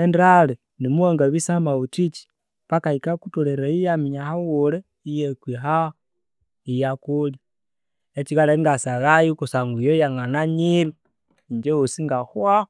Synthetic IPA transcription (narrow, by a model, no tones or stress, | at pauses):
endale | nimuoŋɡaβisamautit͡ʃi̥ | βakaikakutoleɾajijamiɲahawule | ijekwiɦa | ijakulji | et͡ʃiɣaleiŋɡasaɣajikusaŋɡujojaŋanaɲiɾi | ɲd͡ʒeosiŋɡaxwa